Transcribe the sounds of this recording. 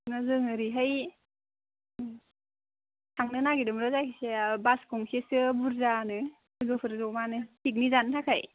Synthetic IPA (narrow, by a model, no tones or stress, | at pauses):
nazɯŋɯɾiɦaj | tʰaŋnɯnaɡidɯmɾɯzakʰisebaskʰɔŋsesɯbuɾzanɯ | ɡɯpʰɯɾzɔmanɯtʰik̬̚nizantʰakʰaj